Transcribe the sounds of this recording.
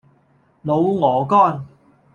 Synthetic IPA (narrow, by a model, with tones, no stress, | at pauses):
lo˨˧wŋɔː˨˦kɔː˥˩n